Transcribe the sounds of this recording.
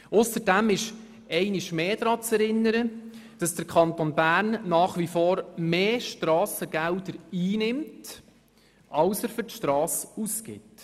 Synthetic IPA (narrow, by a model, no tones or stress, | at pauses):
ʊsəɾdæmɪʃ | ɛɪnɪʃmeːd̥ɾɑːt͡sɛɾɪnːəɾəd̥ɑsd̥əɾkʰɑnt̪onbæːɾnːɑːχʋifoːɾmeːʃtɾɑːsəɡ̥ɛldəɾiːnɪmt | ʔɑlsəɾfʏɾtʃtɾɑːsuskɪ̰t